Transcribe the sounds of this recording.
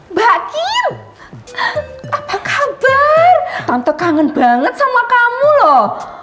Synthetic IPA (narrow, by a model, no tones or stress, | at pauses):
bakin | ʔapakab̥art̪ant̪əkaŋənbaŋət̪̚samuakamulɔh